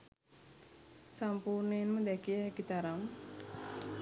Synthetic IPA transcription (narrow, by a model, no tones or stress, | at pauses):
sampuːrnəjenməd̪ɛkijəɦɛkit̪aɾam